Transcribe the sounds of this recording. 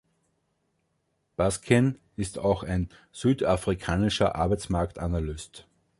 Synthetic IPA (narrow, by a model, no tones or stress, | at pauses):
b̥askʰɛn | ɪstʰaʊxæɪn | z̥yːdafʁikʰaːnɪʃɐʔa̰ɐbæɪt͡smaɐktanalʏst